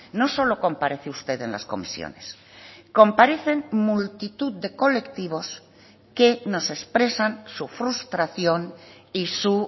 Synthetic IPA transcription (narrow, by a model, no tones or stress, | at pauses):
no̞so̞lo̞ko̞mpaɾe̞θeust̪e̞ðe̞nla̰sko̞̰misjo̰nes | ko̞mpaɾe̞θe̞nmult̪it̪uðd̪e̞ko̞le̞kt̪iβ̞o̞s | ke̞no̞se̞spɾe̞sansufɾust̪ɾaθjo̞nisu